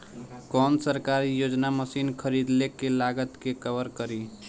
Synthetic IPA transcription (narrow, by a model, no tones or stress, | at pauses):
kɔnsəɾkaɾijod͡ʒnaməsinkʰəɾid̪lekelaɡət̪kekəbəɾkəɾi